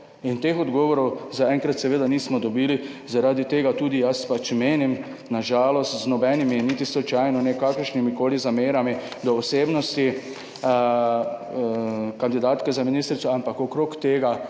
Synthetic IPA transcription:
int̪eːxɔd̪ɡɔːʋɔɾɔwzaɛŋkɾat̪sɛʋeːd̪aniːsmɔd̪ɔbiːlizaɾaːd̪it̪eːɡat̪uːd̪ijaspat͡ʃmeːnim | naʒaːlɔst̪znɔbɛniminit̪islɔt͡ʃajnɔnɛkakəɾʃnimikoːlizameːɾami | d̪ɔɔseːbnɔst̪i | kand̪id̪aːt̪kɛzaminiːst̪ɾit̪sɔampakɔkɾoːkt̪eːɡa

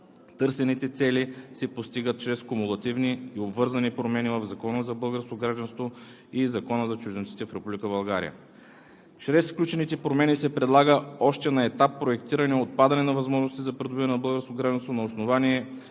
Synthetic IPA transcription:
t̪ɤɾsɛnit̪ɛt̪sɛlisɛpost̪iɡət̪̚t͡ʃɾɛskʊmulˠɐt̪ivniːobvɤɾzɐnipɾomɛnivɐvzɐkɔnəzɐbɤlˠɡəɾskoɡɾaʒd̪ɐnst̪vo | izɐkɔnəzɐt͡ʃuʒd̪ɛnt̪it̪ɛfɾɛpublʲikəbɐlˠɡaɾḭjə̰ | t͡ʃɾɛsfklʲut͡ʃɛnit̪ɛpɾomɛnisɛpɾɛd̪lˠaɡəɔʃt̪ɛnɐɛt̪apːɾoɛkt̪iɾɐniɛot̪̚pad̪ɐnɛnɐvɐzmɔʒnost̪izɐpɾɛd̪ʊbivɐnɛnɐbɤlˠɡəɾskoɡɾaʒd̪ɐnst̪vonɐosnovaniɛ

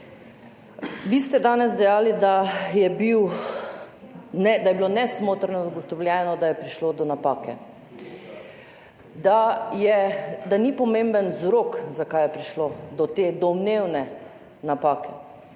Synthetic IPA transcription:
ʋist̪ɛd̪aːnɛzd̪ɛjaːlid̪ajɛbiw | nɛd̪ajɛbilonɛsmoːt̪ɾnɔzaɡɔt̪ɔwljɛːnɔd̪ajɛpɾiʃlod̪ɔnapaːkʰɛ̰ | d̪ajɛd̪anipɔmẽmbənzɾokzakajɛpɾiʃlod̪ɔt̪ed̪ɔmnewnɛ | napaːkʰɛ

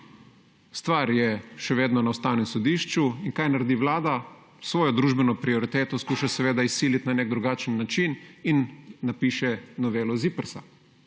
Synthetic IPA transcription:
st̪ʋaːɾjɛʃɛʋeːd̪nɔnawst̪aːwnɛmsɔd̪iːʃt͡ʃuinkajnaɾɛd̪iʋlaːd̪a | sʋɔːjɔd̪ɾuːʒbɛnɔpɾiɔɾit̪eːt̪ɔskuːʃasɛʋeːd̪aisːiːlit̪naneːkɡ̚d̪ɾuɡaːt͡ʃənːat͡ʃininːapiːʃɛnɔʋeːlɔzipəɾsa̰

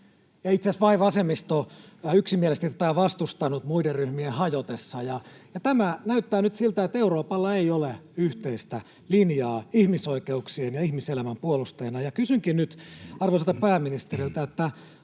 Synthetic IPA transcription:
jɑit̪seæsʋɑiʋɑsemːist̪oyksimielest̪it̪æt̪æʋɑst̪ust̪ɑnut̪muideryhmiehɑjot̪esːɑjɑjɑt̪æmænæyt̪ːæːnyt̪silt̪æet̪ːeuroːpɑlːɑeijoleyht̪eist̪æ | linjɑːihmisoikeuksienjɑihmiselæmæmpuolust̪ɑjɑnɑjɑkysyŋkinnyt̪ɑrʋoselt̪ɑpæːmːinist̪erilt̪æet̪ːæ

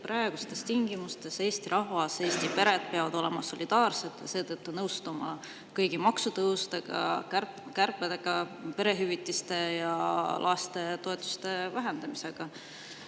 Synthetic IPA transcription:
prɑeɡ̥ust̪e̞st̪iŋɡimust̪e̞se̞ːst̪iɾʔɑɦvɑse̞ːst̪ipe̞ɾe̞d̪̥̚peɑvɑd̪̥o̞le̞mɑso̞lid̪̥ɑːrse̞d̪̥jɑ̰se̞ːt̪ɤt̪ːunɤwst̪umɑ | kɤjɡimɑksut̪ɤwst̪eɡ̥ɑ̰kæ | kærped̪eɡ̥ɑpe̞ɾe̞ɦyvit̪ːˑist̪e̞jɑlʔɑst̪e̞t̪o̞e̞t̪ːˑu̥st̪e̞væɦe̞nd̪̥ɑmiseɡ̥ɑ

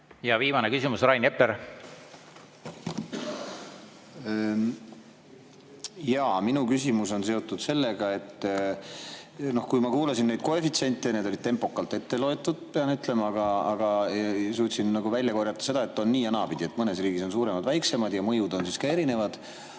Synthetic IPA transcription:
jɑviːmɑnekysimusrɑjnepːˑeɾ | jɑːminukysimuso̞nse̞o̞t̪ˑːud̪̥se̞lːe̞ɡ̥ɑe̞t̪ː | no̞hkujmɑkuːlɑsinːed̪̚ko̞efit̪se̞nʲt̪ːˑe̞ne̞d̪o̞lid̪̥̚t̪e̞mpo̞kːɑlt̪ːˑe̞t̪ːe̞lo̞e̞t̪ːˑud̪̥̚pe̞ɑnyt̪ːˑle̞mɑɑɡɑɑɡ̥ɑsuːt̪sinnɑɡuvæjlʲjɑkorjɑt̪ːˑɑ̥se̞d̪ɑe̞t̪ːˑo̞nːiːɑnɑbid̪ʲie̞t̪ːˑmɤne̞sriːɡ̥iso̞nsuːɾe̞mɑd̪væjkse̞mɑd̪jɑmɤ̞jud̪o̞nsiskɑe̞ɾine̞vɑd̪̥

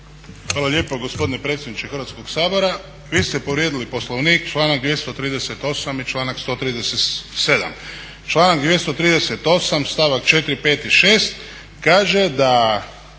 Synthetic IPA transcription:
xʋaːlalʲje̞ːpoɡospo̞d̪inepɾet̪sʲjed̪nit͡ʃexərɾʋat̪sko̞ksaːbo̞ɾa | ʋiːst̪epo̞ʋɾjed̪ilipo̞slˠoʋniːkt͡ʃlˠaːnak̚d̪je̞st̪o̞t̪ɾiːd̪eset̪o̞samit͡ʃlˠaːnakst̪o̞t̪ɾiːd̪eset̪se̞d̪a̰m | t͡ʃlˠaːnaɡd̪ʋje̞st̪ot̪ɾiːd̪eset̪o̞samst̪aʋakt͡ʃet̪ɾipe̞ːt̪iʃe̞ːst̪ | kaːʒe̞d̪a

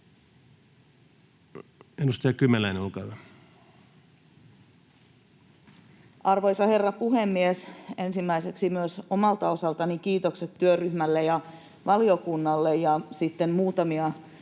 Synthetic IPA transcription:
enust̪ɑjɑkymelæineulkɑyʋæ | ʔɑrʋo̞jsɑhe̞rːɑpuɦe̞mːiese̞nsimːæiseksimyøso̞mɑlt̪ɑo̞sɑlt̪ɑnikiːt̪o̞kse̞t̪ːyørːyhmælːejɑ | ʋɑliokunːɑlːejɑsit̪ːe̞mmuːt̪ɑmiɑ

